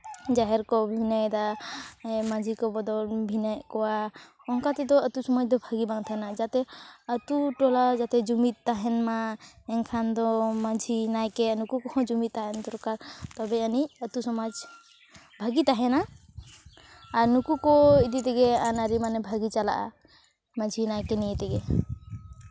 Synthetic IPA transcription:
d͡ʒaɦɛɾkɔbʱinəjd̪a | mad͡ʒʱikɔbɔd̪ɔlbʱinəjʔkɔwa | ɔŋkat̪ɛd̪ɔət̪usɔmad͡ʒd̪ɔbʱaɡibaŋt̪ʰanad͡ʒat̪ɛət̪uʈɔlad͡ʒat̪ɛd͡ʒumit̪̚t̪ːaɦɛnmaɛŋkʰand̪ɔmad͡ʒʱinajkɛnukukɔhɔ̃d͡ʒumit̪̚ːaɦɛnd̪ɔɾkaɾt̪ɔbɛəniət̪usɔmad͡ʒ | bʱəɡit̪aɦɛna | ɾnukukɔidit̪ɛɡɛanaɾimanɛbʱəɡit͡ʃala̰ʔa̰ | mad͡ʒʱinajkɛnijɛt̪ɛɡɛ

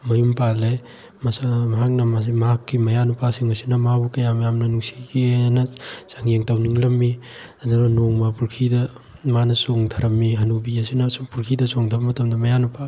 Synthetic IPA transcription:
mɐjumpale | mɐsamɐɦak̚nɐmamɐɦakːimɐjanupasiŋɐsinɐmabukɐjamɐjamnɐnuŋsikianɐsaŋjeŋtɐwniŋlɐmːi | azanonoŋmɐpuɾkʰidɐ | manɐsoŋdʰɐɾɐmːiɦɐnubiɐsinɐsuŋpuɾkʰidɐsoŋdʰʱɐbɐmɐtɐmdɐmɐjanupʰa

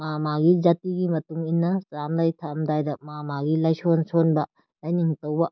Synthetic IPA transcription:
mamaɡid͡ʒatiɡimɐtuŋinːɐsamlajtʰamdajdɐmamaɡilajsonsonbɐ | lajniŋtɐwbɐ

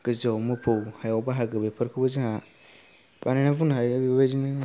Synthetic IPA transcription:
ɡ̥əzɔmopʰowhajɛɔbaɦaɡabepʰəɾkʰɨboziha | banɪ̃nãvʊnajbed͡ʒinɨ̃

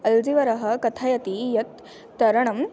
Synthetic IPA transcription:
ɐld͡ziʋɐɾɐɦɐ̆kɐt̪ʰajɐt̪ijɐt̪ː | ɐɾɐɳ̃ɐm

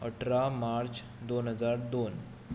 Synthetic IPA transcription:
əʈʰɾamaɾt͡ɕ | d̪onɦəd͡zaɾd̪on

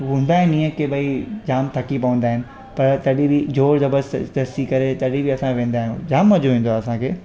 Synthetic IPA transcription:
ɦũːn̆d̪aːɦɪ̃nĩːə̃kʰːebɐid͡ʑaːmt̪ʰɐkipɐʋə̃nd̪aːɦɪnɪ̆ | pɐɾt̪ɐɗibid͡ʑoːɽd̪ɐbəɾst̪ɐsikɐɾet̪ɐɗibiɐsãʋẽːn̆d̪aːɦĩjũd͡ʑaːmːɐd͡ʑoʋẽːnd̪oaɐsãkʰeː

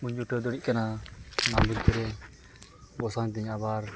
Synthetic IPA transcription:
muɲd͡ʒuʈəd̪ɔɽiʔ̚kananambuɾpəɾɛ | bɔsaɲt̪iɲabaɾ

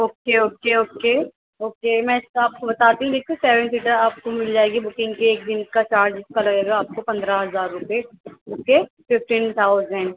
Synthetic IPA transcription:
oːkeoːkeoːkeː | oːkeːmɛ̃ːsaːp̚kobɐt̪aːt̪iɦũd̪eːkʰeseːʋɛ̃ɳsiːʈəɾaːp̚komɪld͡ʒaːeɡibʊkɪ̃ŋɡkeːk̚d̪ɪnkat͡ʃaːɾd͡ʒɪskalɐɡeːɡaːp̚kopɐ̃nd̪ɾaɦɐzaːɾːʊpeoːkefɪfʈĩːnt̪ʰaːʊzɛ̃ɳɖ

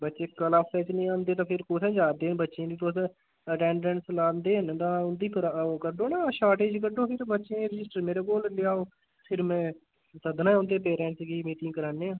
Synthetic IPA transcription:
bətːʃeːkəlaːpːɛːt͡ʃnĩːãːnd̪eːt̪ãːpʰɪɾkoːt̪ʰẽːd͡ʒaːd̪eːbətːʃeãːd̪iːt̪oːs | əʈɛ̃ːɳɖɛ̃ːɳʈslaːnd̪eːnt̪ãːʊnd̪iːpʰəɾkəɾɖoːnaːʃaːʈeːd͡ʒkəɾɖõːpʰɪɾbətːʃẽːɾəd͡ʒɪsʈəɾmeːɾeːkoːllɪjaːoː | pʰɪɾmɛ̃ː | səd̪nãːõːnd̪eːpeːɾɛ̃ːɳʈsɡiːmiːʈ̪ɪ̃ːkəɾaːneːãː

